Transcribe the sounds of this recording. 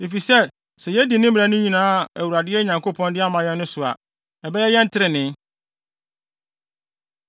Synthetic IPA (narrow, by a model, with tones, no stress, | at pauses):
de˨fi˨sɛ˦ | sɛ˨jɛ˦di˨nɪ̃˦m˦a˨˦nʊ̃˦ɲĩ˨nãː˦˨æ˨wu˨ɾa˨dɪ˦ɛ˦ɲã˨ŋko˦pʰɔ̃˦ndɪ˦a˦mã˨jɛ̃˦nː˦ʊ̃˦sʊ˨a̰˨ | ɛ˨bɛ˦jɛ˦jɛ̃˦n̩˦tʰɪ˦ɾɪ˨nɪ̃˦